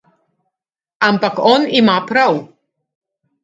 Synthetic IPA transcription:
ampakɔnimapʰɾaw

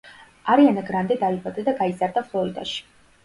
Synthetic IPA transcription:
aɾianaɡɾand̪id̪aibad̪ad̪aɡaizaɾd̪aflˠɔɾid̪a̰ʃi̥

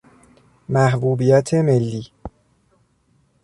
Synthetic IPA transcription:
mæhbuːbijæt̪ʰeme̞lːiː

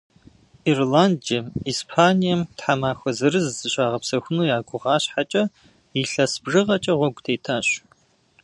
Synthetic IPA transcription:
irlaːndɐmiːspʰaːnijɐmtħamaːxʷɔzɐɾɨzzɨɕʷʼaːʁɐpsɐxʷʊnuːjaːɡʷʊʁɑːɕħat͡ʃʼɐ | iɬɐsbʐɨʁɐt͡ʃʼɐʁʷɔɡʷʼtʰeːtʰaːɕ

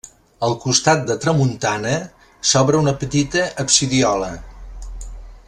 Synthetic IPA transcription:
əlˠkust̪at̪̚d̪ət̪ɾəmunt̪anə | sɔβɾəunəpət̪it̪əʔːpsiðiɔlə

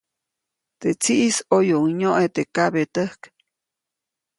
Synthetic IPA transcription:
t̪et͡siʔisojouŋɲoʔet̪ekaβet̪əhk

